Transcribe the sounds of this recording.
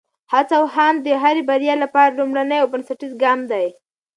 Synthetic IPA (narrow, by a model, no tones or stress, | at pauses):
hat͡sawɦamd̪əɦaɾebaɾjɑlapɑɾalumɽanəjawbənsaʈizɡɑmd̪aj